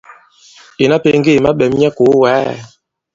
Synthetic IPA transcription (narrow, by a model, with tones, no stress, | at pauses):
e˨na˦pe˨˦ŋ˦ɡe˦˨ma˦ɓɛ˨m˦ɛ˦ko˨˦waː˨˦˨